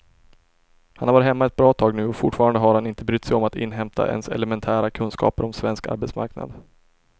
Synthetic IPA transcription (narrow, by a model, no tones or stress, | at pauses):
hanhaɾvɑːɾɪhɛmːaɛt̪̚bɾɑːt̪ʰɑːɡnʉ̟ːɔfʊʈfɑːɾand̪əɦaɾhanɪnt̪əbɾʏt̪ːsɛjɔmat̪ɪ̰nːɦɛmt̪ʰa̰ʔɛ̰nsɛ̰lɛmɛnt̪ʰæːɾakʰɵnskɑ̰ːpəɾɔmsvɛnska̰ɾbɛt̪sma̰ɾkna̰d̪